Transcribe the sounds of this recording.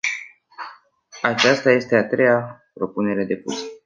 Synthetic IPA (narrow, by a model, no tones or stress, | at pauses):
at͡ʃast̪aje̞st̪e̞at̪ɾe̞japɾo̞pune̞ɾe̞d̪e̞pṵs